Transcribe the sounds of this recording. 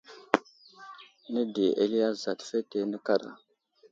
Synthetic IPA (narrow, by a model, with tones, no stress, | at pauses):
nə˦di˨ʔe˦li˦a˦za˨tfe˦te˦nə˦ka˦ɾa̰˨